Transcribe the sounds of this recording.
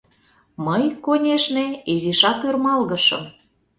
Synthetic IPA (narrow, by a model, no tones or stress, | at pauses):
məjkonʲeʃneeziʃɑkyrmɑlɣə̆ʃə̆m